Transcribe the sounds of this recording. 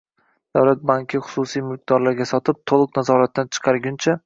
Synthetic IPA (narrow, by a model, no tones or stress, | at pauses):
d̪̥awlat̪̚baŋkʲʰɪχʊ̥susijmɪq̚d̪ɒɾlaɾɡʲasɒt̪ʰɪp̚t̪ʰolˠɨqnazɒɾat̪ːant͡ʃʰɨ̥qʰɑɾɡʲʊnt͡ʃʰa